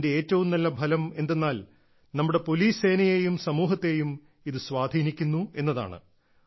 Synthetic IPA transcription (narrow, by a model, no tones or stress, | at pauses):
nde̞eːtːɐʋumnɐlːɐbʱɐlɐme̞nd̪e̞nːaːl | nɐmːuɽe̞po̞liːseːnɐjejumsɐmuːɦɐt̪ːe̞jum | iðɨsʋwaːd̪ʱiːnikʲːunːue̞nːɐða̰ːɳɨ̰